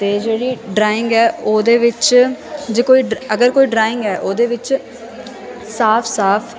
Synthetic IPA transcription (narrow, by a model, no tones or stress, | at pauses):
t̪eːd͡ʒeːɽiːɖɾaːɪ̃ŋɡɛːoːd̪eːʋɪt͡ʃd͡ʒeːkoːiːɖəɡəɾkoːiːɖɾaːɪ̃ŋɡɛːʔoːd̪eːʋɪt͡ʃ | saːpʰsaːpʰ